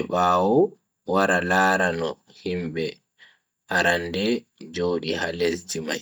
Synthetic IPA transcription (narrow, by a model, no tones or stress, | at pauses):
ɓaːwɔ | waɾalaːɾanɔ | himbɛ | ʔaɾandɛd͡ʒoːɗihalesd͡ʒima̰